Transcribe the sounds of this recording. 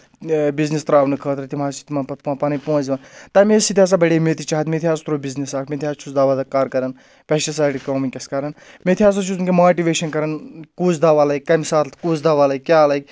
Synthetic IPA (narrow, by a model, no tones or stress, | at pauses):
biznist̪ɾaːʋnɨkʰəːt̪ɾɐt̪imaːt͡ʃi̥t̪imɐːnpɐt̪ʰpãːpɐnɐjpõːziʋɐnt̪ɐmesit̪̬ijaːs̬abɐɽeːmet̪it͡ʃaɦɐt̪met̪ʰijaːst̪ɾoːbiznisaːkʰmet̪ijaːst͡ʃʰusd̪aːʋaːd̪ɐkaːɾkɐɾɐn | pʲeʃɐsaːʈikoːminkʲɐskaɾɐn | met̪ʰijaːs̬ɐt͡ʃʰusunkʲemaːʈiʋeːʃɐnkɐɾɐnkut͡sd̪aːʋaːlɐk̚ʲkɐmsaːt̪t̪ʰkuːt͡sd̪aːʋaːlɐkːʲaːlɐjɡ̚ʲ